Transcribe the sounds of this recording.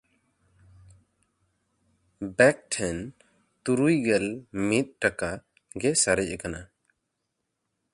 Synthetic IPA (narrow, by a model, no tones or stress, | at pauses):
bɛk̚ʈʰɛn | t̪uɾujɡɛlmit̪̚ʈaka | ɡɛsaɾɛcɛkana